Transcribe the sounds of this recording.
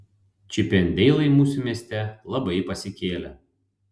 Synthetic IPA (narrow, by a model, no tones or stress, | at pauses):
t͡ʃʲɪpʲɛnʲd̪ʲɛɪlˠɐɪmuːsʲumʲiɛsʲt̪ʲɛlˠɐbɐɪpɐsʲɪkʲeːlʲɛ